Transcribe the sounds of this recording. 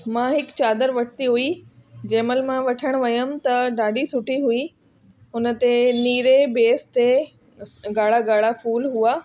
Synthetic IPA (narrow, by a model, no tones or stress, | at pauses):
mãɦɪkt͡ɕaːd̪əɾʋɐʈʰt̪iɦuid͡ʑeːməlmãʋɐʈʰəɽ̃ʋɐjəmt̪ɐɖaːɖisʊʈiɦui | ʊnə̆t̪eniːɾebeːst̪e | ɡaːɭ̤aɡaːɽafuːlɦuaː